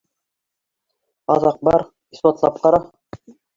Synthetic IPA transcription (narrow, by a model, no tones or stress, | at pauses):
ɑ̰ðɑq̚bɑɾ | ispɑt̪lˠɑp̚qɑɾɑ